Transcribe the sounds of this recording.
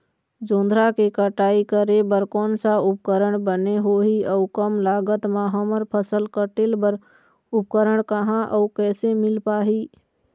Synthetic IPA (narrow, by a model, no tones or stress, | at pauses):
d͡ʒõːnd̪ʱɾakekəʈaːikəɾebəɾkɔːnsaʊp̚kəɾəɳ̃bəneɦoɦiəukəmlaːɡət̪mãɦəməɾpʰəsəlkəʈɪlbəɾ | ʊp̚kəɾəɽkəɦãʔəkɛːsemɪlpaːɦiː